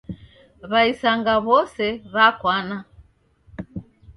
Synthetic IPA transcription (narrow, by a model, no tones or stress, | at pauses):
βaisaŋɡaβɔsɛβakwana